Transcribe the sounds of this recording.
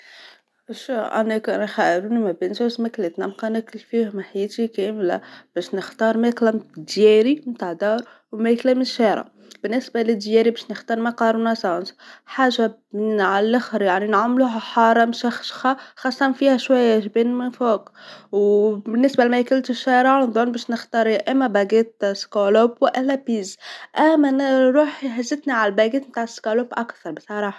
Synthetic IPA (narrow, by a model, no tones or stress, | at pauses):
ʃuʔæ̰nækænxæʔɾunimæbənzusmæklet̪næmqɑnækɪlfihʊmaħajɛːt̪ikæːmlæ̰b̥æːʃnəxt̪ɑːɾˤmæklæmd̪jæɾimt̪aʕd̪ɑːɾˤ | wmæklæmɪʃæɾˤa̰ | b̥ɪnːɪsbalɪd̪jæːɾibæːʃnəxt̪ɑːɾˤmɑqɑːɾˤunɑsɑ̃ːnsħaːʒa | ʕalːaxɾjaʕninʕamluːɦaħɑːɾˤɑmʃæxʃxaxɑsˤːɑt̪ɑnfiːhæʃwajːæʒbiːnmɪnfoːkwbɪnːɪsbalmæjkɪlt̪ɪʃːæːɾad̪ˤonbæːʃnɪxt̪ɑɾʔæmːæbæɡeːt̪skolobwɪʔɪlːæpiːzʔæmːæɾˤuːħħazːɪt̪niʕallbæɡiːt̪mt̪aːʕɪskoloːbʔakθɑɾˤbsˤɑɾˤɑːħɑ̥